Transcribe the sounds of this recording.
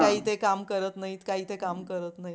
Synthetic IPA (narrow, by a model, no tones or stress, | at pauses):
aɦiːt̪ekamkəɾət̪naɦiːt̪kaɦiːt̪ekamkəɾət̪naɦi